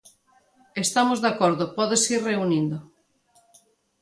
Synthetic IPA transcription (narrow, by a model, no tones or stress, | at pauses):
est̪amozðakɔɾðʊpɔðesirreunind̪ʊ